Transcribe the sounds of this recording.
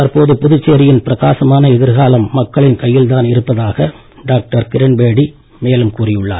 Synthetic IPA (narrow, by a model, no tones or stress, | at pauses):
t̪ɐɾpoːðɯpʊðɯt͡ʃːeːɾɪjɪnpɪɾɐɣaːsɐmaːnɐɛðɪɾɣaːlɐmːɐkːɐɭɪnkɐjːɪlt̪aːnɪɾɯpːɐðaːɣɐ | ɖaːk̚ʈɐɾkɪɾɪɳbeːɽi | meːlɯmkuːrɪjɯɭːa̰ːɾ